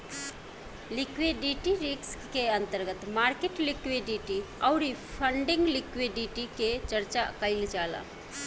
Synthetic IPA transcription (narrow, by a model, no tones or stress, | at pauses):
likweɖiʈiɾikskeə̃nt̪əɾɡət̪maːɾkeʈlikwiɖiʈiaʊɾipʰəɳɖɪ̃ŋɡlikwiɖiʈiket͡ʃəɾt͡ʃakəɪld͡ʒaːla̰